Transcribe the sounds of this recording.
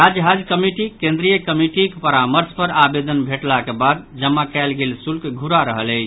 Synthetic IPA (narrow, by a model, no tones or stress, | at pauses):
ɾad͡ʒɦad͡ʒkəmiʈikẽnd̪ɾijəkəmiʈikpəɾaməɾspəɾabed̪ənbʱeʈlakebad̪d͡ʒəmːakɛlɡelsulkɡʱuɾaɾəɦələɪt͡ʃ